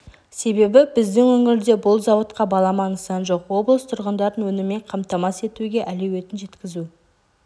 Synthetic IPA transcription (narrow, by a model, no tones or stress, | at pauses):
se̞be̞bɪbɪzd̪ɪŋwɵŋɪɾd̪e̞bʊlˠzɑwət̪qɑbɑlˠɑmɑnəsɑnʒo̞qwo̞blˠəst̪ʰʊɾʁənd̪ɑɾənwɵnɪme̞ɴqʰɑmt̪ɑmɑse̞t̪uɡʲe̞ʔælewe̞t̪ɪnʒe̞t̪kʲɪzu